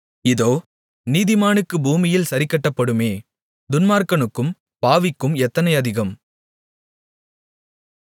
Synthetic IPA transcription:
ɪðoː | niːðɪmaːnɯkːɯbuːmɪjɪlsɐɾɪkːɐʈːɐpːɐɽɯmeː | d̪ʊnmaːɾkɐnɯkːɯm | paːʋɪkːɯmɛt̪ːɐnɐɪɐðɪɣɐm

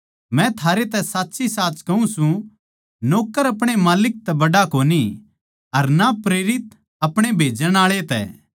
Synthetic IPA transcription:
mɛ̃t̪ʰaːɾet̪ɛsaːtːsʰisaːt͡ʃkɐũsũ | noːkːəɾɐpɽ̃emaːlɪk̚t̪ɛbɐɽakoːni | ɐɾnapɾeːɾɪt̪̚ | ɐpɽ̃ebʱeːd͡ʒəɽ̃aːɭet̪ɛ̰

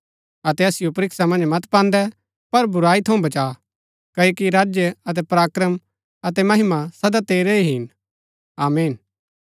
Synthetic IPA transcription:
ɐt̪ɛɐsɪjopɐɾɪksamɐ̃nd͡ʒmɐt̪pãːnd̪ɛ | pɐɾbʊɾaːit̪ʰɐũbɐt͡ʃaː | kɐːokiɾaːd͡ʒjəɐt̪̬ɛpɾaːkɾəm | ɐt̪ɛmɐɦɪmasɐd̪at̪eːɾeiɦɪn | aːmeːn

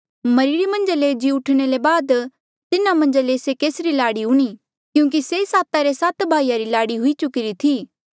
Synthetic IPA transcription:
mɐɾiɾimɐ̃nd͡ʒaled͡ʒiʊʈʰɽ̃elebaːd̪ | t̪ɪnamɐ̃nd͡ʒalesekeːsɾilaːɽiʊɽ̃i | kjũːk̬isesaːt̪aɾesat̪bʱaːijaɾilaːɽiɦʊit͡ʃʊkɪɾit̪ʰiː

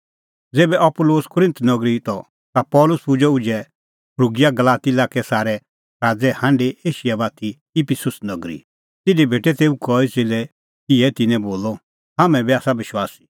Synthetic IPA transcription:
d͡zeːbɛʔɐpʊloːskʊɾɪ̃nt̪nɐɡɾit̪ɔ | t̪apɔːlʊspʊd͡ʒɛʊd͡ʒɛ | pʰɾuːɡɪjaɡɐlaːt̪ilaːkɛsaːɾɛ | ɾaːd͡zɛhãːɳɖeʔeːʃɪjabaːt̪ʰi | ɪpʰɪsʊsnɐɡɾḭ | t̪ɪdibʱeːʈɛt̪eːukɔːiseːlɛ | kɪɛt̪ɪnɛ̃boːlɔ | ɦaːmɛ̃biaːsabɪʃwaːsi̥

